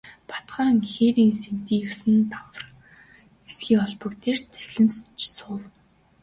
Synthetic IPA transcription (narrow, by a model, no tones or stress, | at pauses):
pḁt̪ɢaːŋxeːɾiːnsent̪iːjɵwsɘ̆nt̪ʰaw̆r | esɡiːɔɮpɞ̆kt̪ʰeːrt͡sæɣʲɮɘ̆nst͡ɕsʊːw